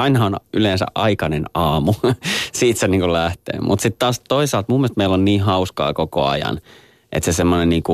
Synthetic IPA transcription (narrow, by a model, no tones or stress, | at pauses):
ɑinɑhɑonyleːnsæ̰ʔʔɑikɑnenɑːmusiːt̪seniːŋkulæht̪ḛːmʔṵt̪sit̪tɑːst̪oisɑlt̪mumːilst̪meilːonniːɦɑuskɑ̰ːkoko̰ɑ̰jɑ̰n | ʔḛt̪sesemːonenniːŋku